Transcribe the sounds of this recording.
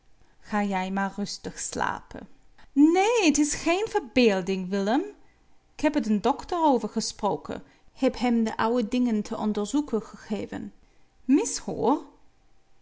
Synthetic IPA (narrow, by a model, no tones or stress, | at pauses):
χaːjɛjmaːɹrɵstəχsla̰ːpə̰ | neːətɪsχenv̥əɹbeːlˠdɪŋʋɪləm | ɪkɦɛpətəndɔktəroːvəɹχəsproːwkʰə̰ | hɛpɦɛmdəʔɑwədɪŋəntʰəʔɔndəɹzukəχəχeːvə̰n | mɪsho̰ːr